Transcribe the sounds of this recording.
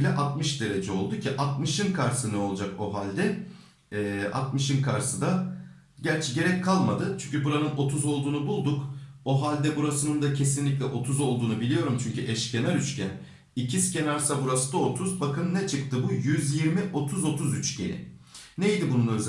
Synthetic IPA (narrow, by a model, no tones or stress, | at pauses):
lʲɛʔat̪mɯʃd̪e̞ɾe̞d͡ʒɛo̞lˠd̪ucʰiʔat̪mɯʃɯnkʰaɾsɯnɛo̞lˠd͡ʒak̚oɦalʲd̪ɛ | ɛːa̰t̪mɯʃɯnkʰaɾsɯd̪a | ɟæɾt͡ʃʰɛɟe̞ɾɛc̚kʰːalˠmad̪ɯt͡ʃʰyɲʲcʰybuɾanɯno̞t̪ʰuzo̞lˠd̪uːnubulˠd̪ukoɦalʲd̪ɛbuɾasɯnɯnd̪acʰe̞sinlʲic̬ʲlʲɛʔo̞t̪ʰuzo̞lˠd̪uːnubilʲijo̞ɾumt͡ʃʰyɲcʰyʔɛʃcʰe̞naɾyt͡ʃcʰʲæn | icʰisce̞naɾsabuɾasɯd̪aot̪ʰuzbakɯnnɛt͡ʃʰɯk̚t̪ʰɯbujyzjiɾmiʔo̞t̪ʰuzo̞t̪ʰuzyt͡ʃɟḛɾɪ̰nejd̪ibununøz